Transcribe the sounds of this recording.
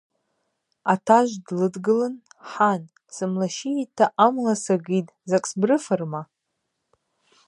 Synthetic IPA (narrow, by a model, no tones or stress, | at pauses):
atʰaʒʷdlɨdɡɨlɨnħan | sɨmlaʃitʰːaʔamlasaɡitʼzakʼsbrɨfɨrma